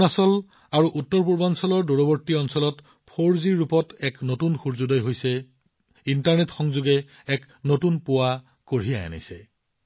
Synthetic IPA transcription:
nasɔl | aɹuʔutːɔɹpuɹbansɔlɔɹdoɹoboɹtːiɔnsɔlɔt | pʰoɹziɹːupɔtɛknotunxuɹzudɔjɦojsɛ | intaɹnetxɔŋzuɡɛ | ɛk | notunpʊwa | koɹijaja̰na̰jsɛ

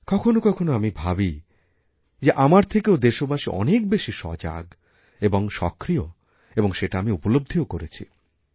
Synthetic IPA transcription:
kɔkʰonokɔkʰonoamibʱabi | d͡ʑeʔamaɾt̪ʰekeod̪eʃobaʃiʔɔ̰nek̚beʃiʃɔ̰d͡ʑa̰ɡ | eboŋʃɔ̰kɾio | eboŋʃeʈaamiupolob̚d̪ʱiokoɾet͡ɕʰi

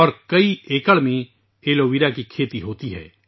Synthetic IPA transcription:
ɔːɾkɐieːkəɭmẽ | eːloːʋiɾakikʰeːt̪iɦoːt̪iɦɛ̰ː

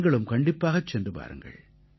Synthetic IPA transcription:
ŋɡɐɭɯmkɐɳɖɪpːaːɣɐt͡ʃːɛndrɯpa̰ːɾɯ̰ŋɡɐ̰ɭ

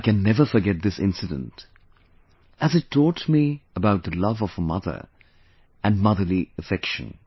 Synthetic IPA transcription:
kɨ̃nːɛvə˞fə˞ɡɛt̪̚ðɪsɪ̰̃nsɨdə̰̃nt | ɨzɨtʰːɔtmiəbaʊt̪̚ðəlʌvʌv̥əmʌðə̰˞ | ɨ̃nmʌðə˞liəfɛkʃɨ̰̃n

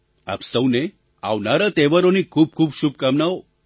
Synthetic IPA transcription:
a̰psəwne | a̰ʋnaɾət̪eʋəɾonikʰuːb̚kʰuːbɕuːb̚kamnao

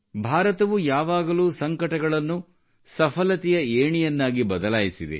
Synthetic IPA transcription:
bʱaːɾɐt̪ɐʋujaːʋaːɡɐluːsɐŋkɐʈɐɡɐɭɐnːu | sɐpʰɐlɐt̪ɛjɐeːɳijɐnːaːɡibɐd̪ɐlaːjisid̪ḛ

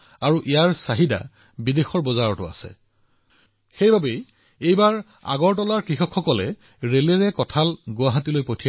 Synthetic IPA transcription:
aɹuʔijaɹsaɦida̰ | bidexɔɹbɔzaɹɔtʊ̰a̰sɛ̰ | xejbʱabej | ejbaɹ | a̰ɡɔɹʈɔlaɹkɹixɔkʰxɔkɔlɛ | ɹeleɹɛkɔtʰalɡʊwaɦatilojpotʰi

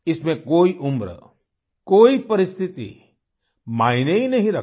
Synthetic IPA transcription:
ɪsmẽkoːiʔʊmɾ | koːipɐɾɪst̪ʰɪt̪ḭ | maːineinɐɦĩɾɐk

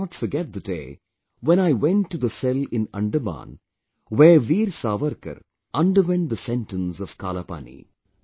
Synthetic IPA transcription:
ɔʈfəɾɡɛʈ̚d̪ədḛː | ʋɛ̃ñaɪʋɛ̃nʈːud̪əsɛlɪ̃nɐ̰̃ɳɖəmã̰ːn | ʋeːʋiːɾsaːʋəɾkə̰ɾ | ʔʌ̃nɖəɾʋɛ̃nd̪əsɛ̃nʈə̃nsɔʋ̥ka̰ːlapa̰nḭ

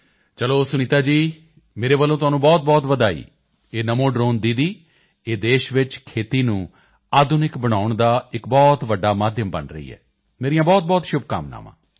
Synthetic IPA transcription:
t͡ʃəloːsʊniːt̪aːd͡ʒiː | meːɾeːʋəlːõːt̪ʊaːnũːbɔːt̪̚bɔːt̪ʋəd̪aːḭː | eːnəmõːɖɾoːnd̪id̪iː | eːd̪eːʃʋɪt͡ʃkʰeːt̪iːnũː | aːd̪ʊnɪkbəɽ̃aːʊɳd̪aːɪkbɔːt̪ʋəɖːaːmaːd̪ʱjəmbə̰nɾə̰ḭːɦɛ̰ː | meːɾijãːbɔːt̪̚bɔːt̪ʃʊb̚ka̰mna̰ːmã̰ː

